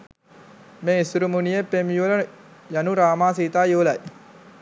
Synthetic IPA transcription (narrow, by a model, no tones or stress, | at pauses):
meːisuɾumunijepːemjulə | januɾaːmaːsiːt̪aːjuʋlɐj